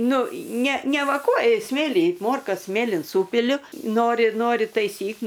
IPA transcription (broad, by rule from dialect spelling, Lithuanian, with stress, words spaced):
ˈnʊ ˈnʲɛ nʲɛˈʋɑːkuɔjʊ ˈsʲmʲeːlʲiː ˈmoːrkɐs ˈsʲmʲeːlʲɪn ˈsuːpʲɪlʲʊ ˈnoːrʲɪ ˈnoːrʲɪ tɐɪˈsʲiːk